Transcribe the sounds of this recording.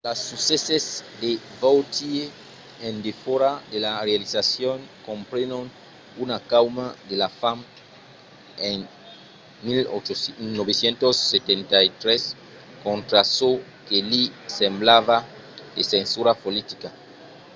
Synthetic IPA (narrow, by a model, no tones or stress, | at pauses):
lasːusesezd̪e | vowt̪ie | end̪efoɾad̪elarealisasjoŋkompɾenon | unakawmaðelafam | eŋ | milonoβesjent̪osːet̪ent̪ajt̪ɾes | kõnt̪ɾaso | kelisemblaβa | d̪esensuɾapolit̪ika